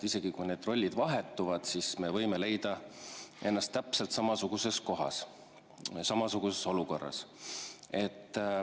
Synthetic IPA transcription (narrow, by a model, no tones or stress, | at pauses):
ise̞ɡ̥ikujne̞d̪ro̞lʲːid̪vɑɦe̞t̪ːuvɑd̪̥sisme̞vɤjmele̞jd̪̥ɑʔe̞nːɑst̪ːæpselt̪sɑmɑsuɡ̥use̞sko̞ɦɑ̰s | sɑmɑsuɡ̥use̞so̞luko̞rːɑ̰s | e̞t̪ː